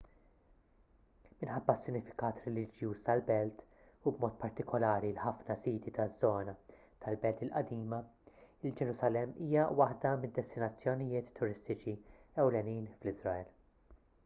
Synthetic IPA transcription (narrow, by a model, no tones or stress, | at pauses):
mɪnħɐbːɐsːɪnːɪfɪ̥kɐːt̪ɾɛlɪd͡ʒjuːst̪ɐlbɛlt̪ | ubmɔːt̪̚pɐɾt̪ɪkɔlɐːɾilħɐfnɐsiːt̪it̪ɐzːɔːnɐ | t̪ʰɐlbɛlt̪ɪlʔɐd̪iːmɐɪld͡ʒɛɾʊsɐlɛmːiːjɐwɐħd̪ɐmɪd̪ːɛst̪ɪnɐt͡sːjɔnɪjɪːt̪ʰːʊɾɪst̪ɪt͡ʃiɛwlɛniːnflɪzɾɐɛl